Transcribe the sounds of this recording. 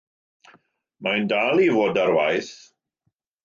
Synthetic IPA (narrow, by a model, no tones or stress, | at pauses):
majndalˠivoːdaɾwajθ